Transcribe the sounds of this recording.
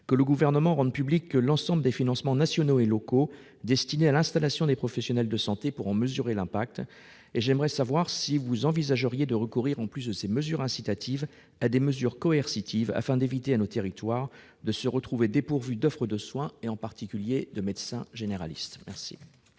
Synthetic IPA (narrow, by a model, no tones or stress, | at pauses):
kələɡuvɛʁnəmɑ̃ʁɑ̃d̪pyblikːəlɑ̃sɑ̃bləd̪efinɑ̃smɑ̃nasjɔnoelɔko | d̪ɛst̪inealɛ̃st̪alasjɔ̃d̪epχɔfɛsjɔnɛld̪əsɑ̃t̪epuʁɑ̃məzyʁelɛ̃pak̚t̪ | eʒɛmʁɛsavwaʁsivuzɑ̃vizaʒəʁjed̪əʁəkuʁiʁɑ̃plys̬d̪əseməzyʁɛ̃sit̪at̪ʰiv | ad̪eməzyʁkɔɛʁsit̪ʰiva̰fɛ̃d̪evit̪eanot̪eʁit̪waʁ | d̪əsəʁət̪χuved̪epuʁvyd̪ɔfχəd̪əswɛ̃eɑ̃paʁt̪ikʲyljed̪əmɛd̪sɛ̃ʒeneʁa̰lḭst̪mɛʁsḭ